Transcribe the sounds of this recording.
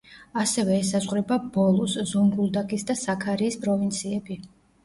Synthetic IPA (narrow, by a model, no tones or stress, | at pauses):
asɛvɛːsazʁɾɛbabɔlˠɔszɔŋɡulˠd̪akʼisd̪asakʰaɾiːspʼɾɔvint̪sʰiɛbi